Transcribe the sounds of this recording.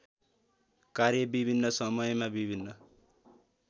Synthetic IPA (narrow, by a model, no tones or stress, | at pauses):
karjʌbibʱinːʌsʌmʌjmabibʱinːʌ